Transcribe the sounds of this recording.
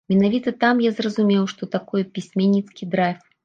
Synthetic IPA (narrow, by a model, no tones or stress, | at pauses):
mʲɛnavʲit̪ɐt̪amjazrɐzumʲɛwʂt̪ɔt̪akɔjɛpʲisʲmʲɛnʲːit̪skʲid̪ɾajf